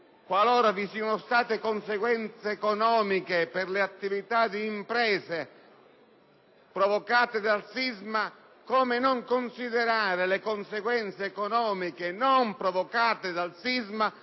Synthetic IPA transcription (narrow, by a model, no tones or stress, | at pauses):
kwalɔːɾavisiːɔnost̪aːt̪ekonseɡwɛnt̪seːkonɔːmikepɪrleat̪ːivit̪ad̪iːmpɾɛːse | pɾovokaːt̪ed̪alsizma | koːmenoŋkonsiðeɾaːɾelekonseɡwɛnt̪seːkonɔːmikenompɾovokaːt̪ed̪alsizma